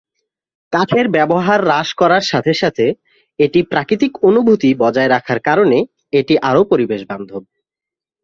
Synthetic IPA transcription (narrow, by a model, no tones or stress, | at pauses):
kat͡ɕʰeɾbɛboɦaɾːaʃkɔɾaɾʃat̪ʰeʃat̪ʰe | eʈipɾakɾit̪ikonubʱut̪ibɔd͡ʑaeɾakʰaɾkaɾone | eʈiʔaɾopoɾibeʃband̪ʱob̚